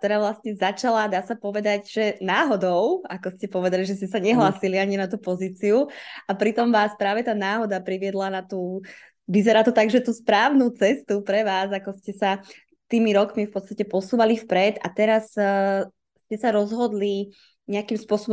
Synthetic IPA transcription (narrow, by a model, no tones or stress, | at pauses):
t̪ɔɾaːʋlast̪ɲɛzat͡ʃalad̪aːsapɔʋɛd̪aɟʒ̥ɛnaːɦɔd̪ɔʊakɔscɛpɔʋɛd̪aliʒɛs̬cɛsaɲɛɦlaːsiliaɲinat̪uːpɔziːt͡siuapɾit̪ɔmʋaːspɾaːʋɛt̪aːnaːɦɔd̪apɾiʋɪɛd̪lanat̪uː | ʋizɛɾaːt̪ɔt̪aɡʒɛt̪uːspɾaːʊnut͡sɛst̪upɾɛʋaːzakɔscɛsa | t̪iːmiɾɔkmifpɔt̪t͡sst̪acɛpɔsuːʋalifpɾɛd̪a̰t̪ɛɾas | scɛsaɾɔzɦɔd̪li | ɲɛakimspʊɔsɔbɔ